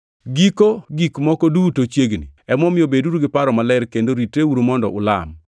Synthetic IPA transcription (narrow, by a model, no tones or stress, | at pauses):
ɡikoɡikmɔkɔdutot͡ʃjeɡnḭɛmɔmɪobeduɾuɡɪpaɾɔmalɛɾkendoɾiteuɾumɔndɔ̰ʔʊ̰la̰m